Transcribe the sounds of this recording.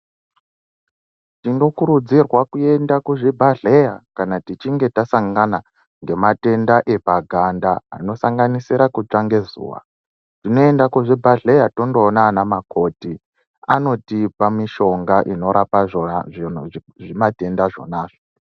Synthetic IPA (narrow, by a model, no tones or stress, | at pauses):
tiŋɡo̞kuɾud͡zirwakue̞ndakuʐibʱaɮe̞jakanatit͡ʃiŋɡe̞tasaŋɡana | ŋɡe̞mate̞ndaʔe̞paɡʱanda̰ːno̞saŋɡanisiɾakut͡ʂaŋɡe̞zṵːwa̰ | tino̞e̞ndakuʐibʱaɮejato̞ndo̞ːnaːnamako̞ti | ano̞tipamiʃo̞ŋɡaʔino̞ɾapaʐoin | ʐimate̞ndaʐo̰naːʐo